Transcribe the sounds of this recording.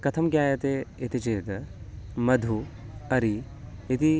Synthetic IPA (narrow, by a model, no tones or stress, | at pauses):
kɐt̪ʰɐmɡʲjaːjɐt̪eet̪it͡ʃeːd̪ | mɐd̪ʱuɐɾi | et̪i